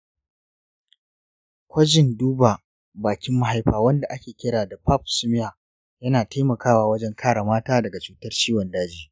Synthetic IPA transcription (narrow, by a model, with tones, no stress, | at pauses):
kʷɐ˦d͡ʒɪ˨nduː˦baː˨ | baː˨kʲɪ˦mːa˦ɦa˦jɸaː˨wɐ˦nda˨ʔa˦kʲeː˨kʲɪ˦ɽaː˨da˨ɸa˦˨p̚sʊ˦mɪ˦jaː˨ | jɐ˦naː˨tʰa˦jmɐ˨kaː˦waː˨wɐ˦d͡ʒɛ˦ŋkʰaː˦ɽa˨maː˦taː˦dɐ˨ɡa˨t͡ʃuː˨tɐ˦rt͡ʃiː˦wɐ˨ndaː˦d͡ʒiː˨